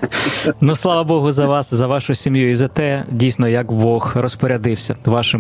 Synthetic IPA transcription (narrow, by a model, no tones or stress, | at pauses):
nuslˠɑʋɐbɔɦʊzɐʋɑszɐʋɑʃʊsʲimjuizɐt̪ɛdʲijsʲnɔjɐkbɔxrɔspɔɾʲɐd̪ɪwsʲɐʋɑʃɪm